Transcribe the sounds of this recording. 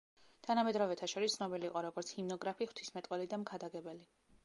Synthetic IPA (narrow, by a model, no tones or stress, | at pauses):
t̪ʰanamɛd̪ɾɔvɛt̪ʰaʃɔɾist̪sʰnɔbiliːqʼɔɾɔɡɔɾt̪sʰhimnɔɡɾapʰiχw̥t̪ʰismɛt̪ʼwɛlid̪amkʰad̪aɡɛbɛli